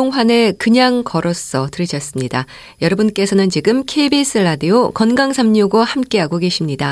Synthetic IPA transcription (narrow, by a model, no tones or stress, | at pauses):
oŋɸwane̞kɯɲaŋkʌɾʌs͈ʌtɯɾiɕʰʌs͈ɯmɲida | jʌɾʌbɯnk͈e̞sʰʌnɯnt͡ɕiɡɯmkʰeibis͈ʰɯɭːadiokʌnɡaŋsʰamɲuɡohamk͈e̞ɦaɡoɡe̞ɕʰimɲida